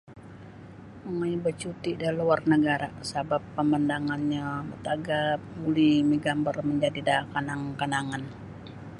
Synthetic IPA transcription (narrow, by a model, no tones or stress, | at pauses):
əŋajbət͡ʃut̪idaluarnəɡaɾasabapːəməndaŋanɲamət̪aɡap̚mulimiɡambərməɲd͡ʒadidakanaŋkanaŋan